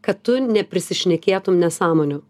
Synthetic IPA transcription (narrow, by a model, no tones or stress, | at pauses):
kɐttːʊnʲɛpʲɾʲɪsʲɪʃʲnʲɛkʲeːt̪ʊmnʲɛsɑːmoːnʲʊ